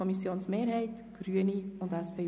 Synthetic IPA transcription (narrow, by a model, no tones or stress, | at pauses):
ɔmisjoːnsmeːɾɦɛɪtɡ̥ɾyəniʊndæspʰeː